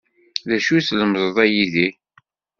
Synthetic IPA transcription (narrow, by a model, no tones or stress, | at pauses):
ðæʃuθləmzˤðˤæjiði